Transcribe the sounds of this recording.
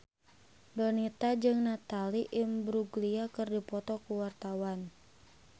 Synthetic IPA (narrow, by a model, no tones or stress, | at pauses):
dɔnit̪ad͡ʒɨŋnat̪aliʔimbɾuɡliakɨrdipɔt̪ɔkuwart̪awan